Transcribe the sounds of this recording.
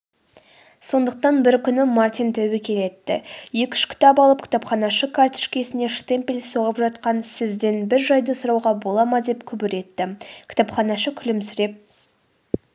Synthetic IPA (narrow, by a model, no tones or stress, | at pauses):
so̞nd̪əq̚t̪ɑnbɪɾkʲʰʏnɪmart̪ʲijnt̪ʰæwɪkʲʰe̞le̞t̪ːɪ̰je̞kʲʏ̥ʃkʲɪ̥t̪ɑp̬ɑlˠəp̚kʲʰɪ̥t̪ɑpχɑnɑʃəkʰart̪ɪ̥ʃkʲe̞sɪne̞ʃt̪e̞mpʲelso̞ʁəpʒɑt̪qɑnsɪzd̪e̞nbɪɾʒɑjd̪əsʊɾɑwʁɑbo̞lˠɑmɑd̪e̞pkʲʰʏbɪɾe̞t̪ːɪkʲʰt̪ɑpχɑnɑʃəkʲʰʏlɪmsʏɾe̞p̚